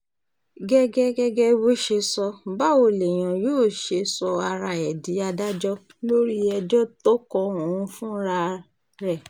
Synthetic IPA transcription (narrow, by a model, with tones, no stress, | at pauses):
ɡɛ˦ɡɛ˦ɡɛ˦ɡɛ˦wo˦ʃe˧sɔ˧ba˦o˧˨le˨j̃ã˨joː˦˨ʃe˧sɔ˧a˧ɾa˧ɛ˨di˨˦a˧da˦d͡ʒɔ˦ | lo˦ɾi˦ɛ˧d͡ʒɔ˦to˦kɔ̃˧o˨ũ˨˧fũ˦ɾa˧ | ɾɛ˦˨